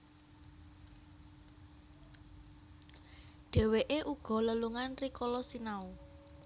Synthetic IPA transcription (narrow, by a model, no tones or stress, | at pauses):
ɖ̥ɛ̤weʔeʔuɡ̥ɔ̤ləluŋanrikɔlɔsinau